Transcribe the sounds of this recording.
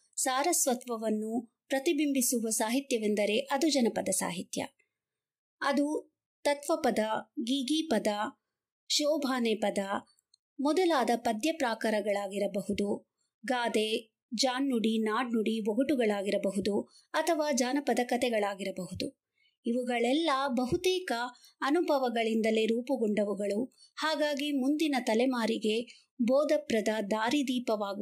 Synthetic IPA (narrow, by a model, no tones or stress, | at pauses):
saːɾɐsʋɐt̪ʋɐʋɐnːu | pɾɐt̪ibimbisuʋɐsaːɦit̪jɐʋend̪ɐɾe̞ʔɐd̪ud͡ʒɐnɐpɐd̪ɐsa̰ːɦit̪jɐ̰ | ɐd̪u | t̪ɐt̪ʋɐpɐd̪ɐɡiɡiːpɐd̪ɐ | ʃɔːbʱaːneːpɐd̪ɐ | mɔd̪ɐlaːd̪ɐpɐd̪jɐpɾaːkɐɾɐɡɐɭaːɡiɾɐbɐɦud̪u | ɡaːd̪e | d͡ʒaːnːuɽinaːɖnuɽiʋoɡɐʈuɡɐɭaːɡiɾɐbɐɦud̪u | ɐt̪ʰɐʋaːd͡ʒaːnɐpɐd̪ɐkɐt̪ɛɡɐɭaːɡiɾɐbɐɦud̪u | iʋuɡɐɭɛlːɐbɐɦut̪ɛːkɐːnubʱɐʋɐɡɐɭind̪ɐle̞ɾuːpɐɡɔɳɖɐʋuɡɐɭu | haːɡaːɡimund̪inɐt̪ɐlɛmaːɾiɡe̞ | bɔːd̪ɐpɾɐd̪ɐd̪aːɾid̪iːpɐʋaːɡu